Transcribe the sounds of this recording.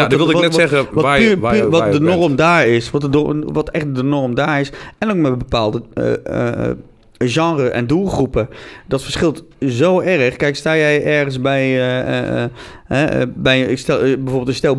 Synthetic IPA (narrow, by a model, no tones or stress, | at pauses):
dʋɪlˠdɪnɛtsɛχəʋayʋɔdənɔrmdaːɹɪsʋɔtəʋɔtɛχt̚dənɔrmdaːɹɪsɛnokmɛbəpaːlˠdəə̰ | ʒɑ̃ŋrəʔɛ̰ndulˠχrupədɔtfəɹsχɪlˠt | zowʔɛrəχkɛjkstaːjɛjʔɛɹχənsbɛj̰ | ɦɛbɛjɪkstɛbɛjvoːɹbɪlˠtɪstɛlˠ